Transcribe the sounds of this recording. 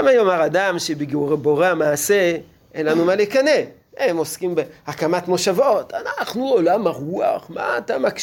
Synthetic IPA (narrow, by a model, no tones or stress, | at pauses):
amajomaʁadamʃebiɡuʁebo̞ʁeamaːse̞ | ʔenlanumalekane | emo̞skimbehakamatmo̞ʃavo̞tanaχnuolamaʁua̰χma̰ːt̪amak